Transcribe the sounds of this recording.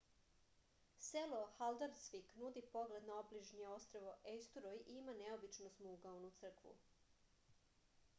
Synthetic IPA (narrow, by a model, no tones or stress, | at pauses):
seloxald̪aɾsʋiknud̪ipo̞ɡle̞d̪naobliʒɲio̞st̪ɾoʋoʔest̪uɾojiimaneobit͡ʃnosmulɡaunut̪sr̩kʋṵ